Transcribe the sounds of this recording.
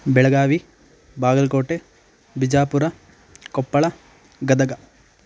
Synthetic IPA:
bɛɭɐɡaːʋi | baːɡɐlkoːʈe | bid͡ʒaːpuɾɐ | kɔpːɐɭɐ | ɡɐd̪ɐɡɐ

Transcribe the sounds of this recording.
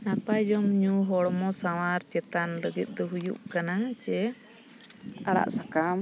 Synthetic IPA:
napad͡ʒɔmɲuɦɔɽmɔsawaɾt͡ʃɛt̪anɾəɡit̪̚ˀt̪ɔɦujṵʔkanat͡ʃɛ | aɽa̰ʔsakam

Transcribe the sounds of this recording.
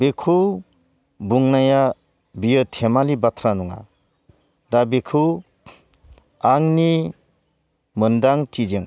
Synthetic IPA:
bekʰu | buŋnaja | bijətʰemalibatʰɾanuŋa̰ | dabekʰu | aŋni | mɯndaŋtʰid͡ʒɯŋ

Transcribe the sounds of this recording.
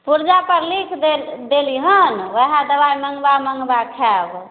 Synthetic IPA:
puɾd͡ʒapəɾlikʰd̪ed̪eliɦənʋəɦad̪əbajməŋɡbaməŋɡbakʰɛb

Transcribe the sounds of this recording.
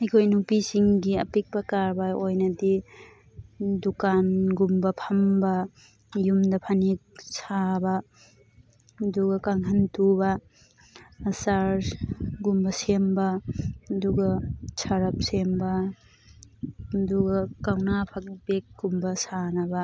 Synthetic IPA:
ɐjkʰojnupisiŋɡiɐ̰pik̚pɐkaɾbaojnɐdi | dukanɡumbɐpʰɐmbɐ | jumdɐpʰanik̚sabɐ | duɡɐkaŋɦɐntubɐ | saɾɡumbɐsembɐduɡɐsʰaɾɐp̚sembɐ | duɡɐkawnapʰak̚bek̚ɡumbɐsanɐbɐ

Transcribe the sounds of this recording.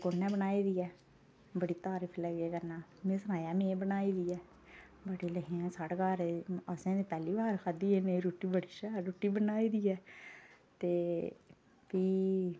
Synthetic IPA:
kʊnːɛ̃ːbənaːiːd̪iːɛː | bəɽiːt̪aːɾɪpʰləɡeːkəɾnãːmẽːsənaːjaːmẽːbənaːiːd̪iːɛː | bəɽiːləɦẽɛ̃ːsaʈɡaːɾəsẽːd̪eːpɛːliːbaːɾkʰad̪iːeːneiɾuːʈːiːbəɽiːʃɛːɾuːʈiːbənaːiːd̪iːɛː | t̪eː | piː

